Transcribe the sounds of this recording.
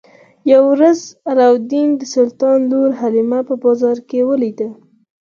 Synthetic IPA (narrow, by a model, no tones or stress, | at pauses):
jawɾazɾawd̪ind̪əsʊlt̪ɑnloɾɦalimapəbɑzɑɾkewəlid̪ə